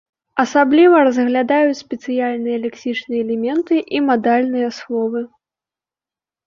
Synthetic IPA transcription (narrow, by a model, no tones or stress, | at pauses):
ɐsablʲivɐrɐzɣlʲad̪ajut͡sʲsʲpʲɛt̪sɨjalʲnɨjɐlʲɛksʲit͡ʂnɨjɐːlʲɛmʲɛnt̪ɨʔimad̪alʲnɨjɐslˠɔvɨ